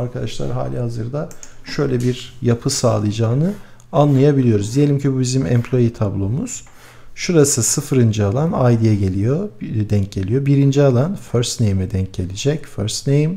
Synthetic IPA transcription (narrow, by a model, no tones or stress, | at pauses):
aɾkʰad̪aʃlˠa̰ɾɦa̰ːlʲihazɯɾd̪aʃø̞jlʲɛbiɾjapʰɯsaːlˠɯjd͡ʒaːnɯ | anlˠajabilʲijo̞ɾuzd̪ije̞lʲimcʰibubizimɛ̰mpʰlʲˠo̞jit̪ʰablˠo̞muz̥ | ʃuɾasɯsɯfɯɾɯnd͡ʒialˠanajd̪ijɛɟe̞lʲijod̪ɛɲc̚ɟe̞lʲijo̞biɾind͡ʒialˠanføɾst̪nejmɛd̪ɛɲc̚ɟe̞lʲid͡ʒɛcføɾst̪nejm